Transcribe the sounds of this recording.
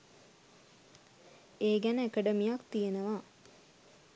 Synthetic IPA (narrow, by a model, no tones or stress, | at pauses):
eːɡænəekəɖəmijakt̪ijenəʋaː